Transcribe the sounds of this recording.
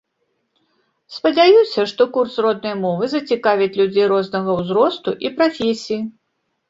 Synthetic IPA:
spɐd͡zʲajusʲɐʂt̪ɔkursrɔd̪̚nɐjmɔvɨzɐt͡sʲikavʲit͡sʲlʲud͡zʲejɾɔznɐɣɐwzɾɔst̪uʔipɾafʲesʲiji

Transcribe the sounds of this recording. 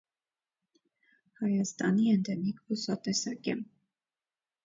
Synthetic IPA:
hɑjɑst̪ɑniɛnd̪ɛnikvusɑt̪ɛsɑkɛm

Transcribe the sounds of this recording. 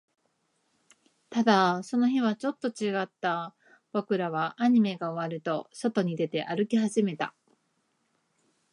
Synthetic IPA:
t̪ad̪aso̞no̞çiβat͡ɕo̞t̪ːo̞t͡ɕiɡat̪ːa | b̥o̞kɯ̟ɾaβaʔːɲ̟ime̞ɡaoβaɾɯ̟t̪o̞so̞t̪o̞ɲ̟id̪e̞t̪e̞ʔaɾɯ̟kʲiɦaʑime̞t̪a̰

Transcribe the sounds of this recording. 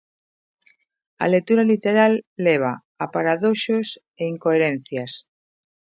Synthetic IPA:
a̰lek̚t̪uɾalit̪eɾalːeβ̞a | apaɾaðoʃos | eiŋkoeɾẽn̟θjas

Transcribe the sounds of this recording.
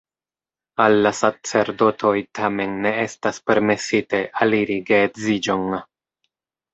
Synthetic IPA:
alːasat͡se̞ɾdo̞tʰo̞jtʰame̞nːe̞e̞staspe̞ɾme̞site̞ʔaliɾiɡetzid͡ʒo̞n

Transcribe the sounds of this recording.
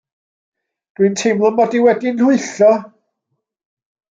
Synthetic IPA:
d̥wɨntʰejmlˠɔmɔdiwɛdinʊɨɬɔ

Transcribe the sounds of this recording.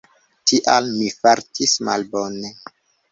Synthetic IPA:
tʰiʔalmifaɾtʰisma̰lbone

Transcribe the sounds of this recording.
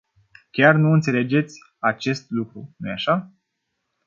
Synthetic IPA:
kʲarnuɨnt̪se̞le̞d͡ʒe̞t̪sʲ | at͡ʃe̞st̪lukɾunujaʃa

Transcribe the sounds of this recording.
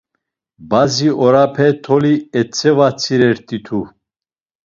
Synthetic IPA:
baziɔɾapʰɛt̪ʰɔliɛt͡sʰʼɛvat͡sʰiɾɛɾt̪ʼit̪ʰu

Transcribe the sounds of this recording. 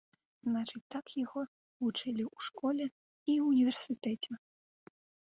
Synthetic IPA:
znat͡ʂɨt͡sʲt̪akjaɣɔ | vut͡ʂɨlʲiwʂkɔlʲɛ | iunʲivʲɛrsɨt̪ɛt͡sʲɛ

